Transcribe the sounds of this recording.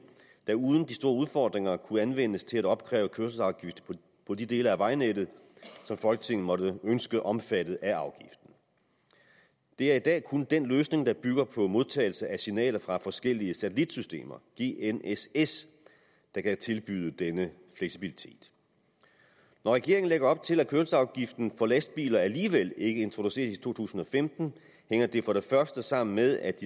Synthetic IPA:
d̥æ̈uð̞ˠn̩d̥isd̥o̝ːɐuð̞ˠfɒ̰ːd̥ʁeŋɐkʰuænʋen̰əst͡sʰe̝læɾ̥ɒ̽b̥̚kʰʁɛ̰ːʊəkʰøɐsəsɑ̈ʊɡ̥ifd̥ʰ | pʰɒ̽did̥e̝ːləæʋɑ̈ɪned̥ð̩ˠsɒ̽mfɒ̽lɡ̥ə̥t͡sʰe̝ŋn̩mɒ̽dəønsɡ̥əʔɒ̽mfæd̥ð̞̩ˠæʔɑ̈ʊɡ̥ifd̥n̩ | d̥e̝æɐid̥ɛ̰ːkʰund̥enløːsne̝ŋd̥ɑ̈b̥yɡ̥ɐpʰɒ̽mo̝ð̞ˠt͡sʰɛ̰ːɪl̩səʔæsinɛ̰ːlɐfʁɑ̈fɒ̽sɡ̥el̰iəsæt͡sʰəlid̥sysd̥e̝̰ːmɐɡ̥e̝ːeneses | d̥ɑ̈kæt͡sʰe̝lb̥yðˠəd̥enə | fleɡ̥sib̥ilit͡sʰe̝̰ːd̥ | nɒʁɛɡ̥e̝ɐeŋn̩leɡ̥ɐɒ̽b̥̚t͡sʰe̝lækʰøɐlsɑ̈ʊɡ̥ifd̥n̩fɒ̽læsd̥̚b̥ḭːlɐæliːʋel̰e̝ɡ̥əe̝nt͡sʰʁoduse̝̰ːɐsit͡sʰo̝̰ːt͡sʰṵːsn̩ɒ̽femd̥n̩ | heŋ̰ɐd̥e̝fɒ̽ɾ̥e̝fɶɐsd̥əsɑ̈m̰n̩meðˠæd̥i

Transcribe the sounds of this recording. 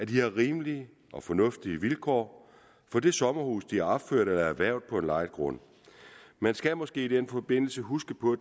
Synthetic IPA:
æd̥iæʁiːməliə | ʔɒ̽fɒ̽nɔ̽fd̥iəʋilkʰɒ̰ː | fɒ̽d̥e̝sɒ̽mɐhṵːsd̥iæɐɒb̥føɐ̰ɾ̥elɐæʋæɐʊ̰dð̥̚ˠpʰɒ̽e̝nlɑ̈ɪ̰dɡ̥ʁɔ̽n̰ | mænsɡ̥æmɒ̽sɡ̥e̝̰ːid̥enfɒ̽b̥e̝n̰l̩səɦusɡ̥əpʰɒ̽

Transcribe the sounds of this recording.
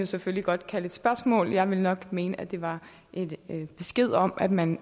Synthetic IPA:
jo̝sefølliɡ̥ɒ̽d̥kʰæled̥sb̥ɶɐsmɔ̰̽ːljɑ̈ɪʋe̝lnɒ̽ɡ̥me̝ːnəʔæd̥e̝ʋɑ̈ | ʔe̝d̥b̥e̝sɡ̥e̝ð̞̰ˠɒ̽m̰ʔæd̥mæn

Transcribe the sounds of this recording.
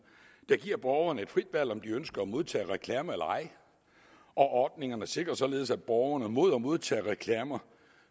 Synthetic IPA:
d̥æ̈ɡ̥iɐ̰b̥ɒːʊɐnəe̝d̥fʁid̥ʋæl̰ɒ̽md̥iønsɡ̥ɐɒmo̝ð̞ˠt͡sʰɛ̰ːʁɛkʰlɛːməelɑ̈ɪ | ʔɒ̽ʔɒːd̥̚ne̝ŋɐnəse̝ɡ̥ʁɐsɒ̽le̝ːðˠsæd̥̚b̥ɒːʊɐnəmo̝ð̞̰ˠɒmo̝ð̞ˠt͡sʰɛ̰ːʁɛkʰlɛːmɐ

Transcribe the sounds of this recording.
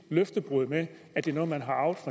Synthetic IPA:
løfd̥əb̥ʁuð̰ˠme | æd̥e̝nɔ̽ːð̩ˠmænɦɑ̈ʔɑ̈ʊd̥fʁɑ

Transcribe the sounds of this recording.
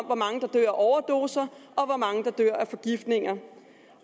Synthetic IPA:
m̰ʋɒmɑ̈ŋəd̥ɑ̈d̥ø̰ɐ̰æʔɒʊɐd̥o̝̰ːsɐɒ̽ʋɒmɑ̈ŋəd̥ɑ̈d̥ø̰ɐ̰æfɒ̽ɡ̥ifd̥ne̝ŋɐ

